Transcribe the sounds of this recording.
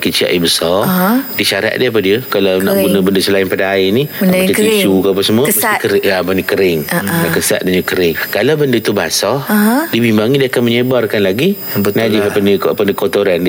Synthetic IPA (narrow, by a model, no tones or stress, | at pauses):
kit͡ʃia̰ʔjibəsɔrdiʃaɾa̰ʔ̚dəap̬adiəkalawna̰ʔpunəbəndəsəlaɪnpadaːɪnid͡ʒəkit͡ʃukəapasəmuəəakəɾapanikəɾɪŋakəsa̰ʔ̪̚daɲəkəɾɪŋkalawbəndət̪uba̰sɔdibimbaŋidiakanməɲəbarkanlaɡi | nad͡ʒihapanəapanəkot̪oɾand